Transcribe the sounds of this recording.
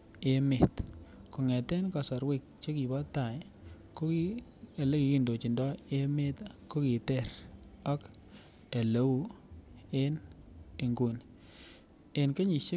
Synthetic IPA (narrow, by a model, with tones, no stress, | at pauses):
e˦mɪ˨t̪kɔ˨ŋɛ˨tɛ˦nkɔ˨sɔ˨ɾwɪ˦˨k̚t͡ʃe˦ki˨bɔ˦ta˨j | ko˦ki˦e˨le˦ki˨˦ki˦˨ndo˨t͡ʃi˨ndɔ˦e˦mɪ˦tko˦ki˨tɛ˦˨ɾɔ˦k | e˨lo˨˦u˦ | e˦ne˨ŋɡu˨n | e˨nke˦ɲi˨ʃe˦